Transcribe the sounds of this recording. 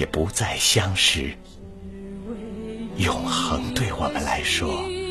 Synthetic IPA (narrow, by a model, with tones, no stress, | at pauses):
ɛ˨˩pu˧˥t͡sa˥˩ɪɕjɑ˥ŋʂɻ̩˥˧˩ | jʊ˨˩ŋxɤ˧˥ŋt̪we˥˩ɪwɔ˨˩mə˦nla˧˥ɪʂwɔ˥